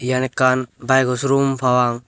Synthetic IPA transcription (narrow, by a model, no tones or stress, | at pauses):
janɛkanbajɡɔsɾumpʰawaŋ